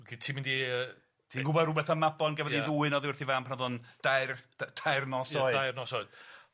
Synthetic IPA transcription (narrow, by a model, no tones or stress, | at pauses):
ɡitʰiːmɪndiə | tʰiɡʊbɔɾʊbɛθəmabɔnɡɛvɛdiðuːɨnɔðʊrθivaːmpʰanɔðʊnd̥artʰajrnɔsɔɨarnɔsɔɨd̥